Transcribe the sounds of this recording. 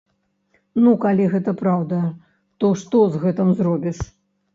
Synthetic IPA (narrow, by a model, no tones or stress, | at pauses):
nukalʲiɣɛt̪ɐpɾawd̪ɐ | t̪ɔʂt̪ɔzɣɛt̪ɨmzɾɔbʲiʂ